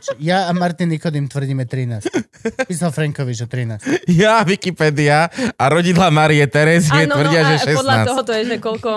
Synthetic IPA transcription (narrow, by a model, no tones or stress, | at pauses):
t͡ʃjaːmaɾt̪inːikɔd̪imt̪ʋr̩ɟiːmɛt̪ɾinaːs | piːsalfɾɛŋkɔʋid͡ʒɔt̪ɾinaːsjaʋikipɛːd̪iaaɾɔɟid̪lamaɾiɛt̪ɛɾɛziɛnʋr̩ɟɪaʒɛʃɛsɔlaaɔɦɔt̪ɔɛʒɛkɔlkɔ